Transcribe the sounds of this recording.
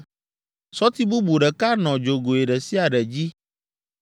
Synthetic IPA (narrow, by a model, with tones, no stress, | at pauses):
sɔ˦t̪i˦bu˦bu˨ɖɛ˨ka˦nɔ̃˨d͡ʒo˨ɡo˨e˨ɖɛ˨si˦a˨ɖɛ˨d͡ʑi˦